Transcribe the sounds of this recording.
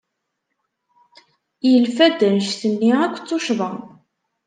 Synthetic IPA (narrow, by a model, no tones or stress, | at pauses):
jəlfæd̪ænʃθənːiækʷːt͡sːʊʃvəʁ